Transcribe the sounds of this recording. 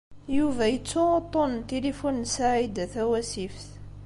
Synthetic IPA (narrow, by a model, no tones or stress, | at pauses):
juvæjət͡sːʊt̪ˤːont̪elifunsaʕid̪θæwæsifθ